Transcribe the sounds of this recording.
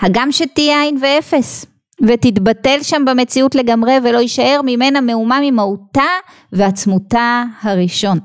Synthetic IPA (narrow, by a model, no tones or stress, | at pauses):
haɡamʃe̞tijajnvee̞fe̞s | ve̞titbate̞lʃambeme̞t͡siutle̞ɡamʁe̞ve̞lo̞iʃae̞ʁmime̞name̞umamimauta | ve̞at͡smutahaʁiʃo̞n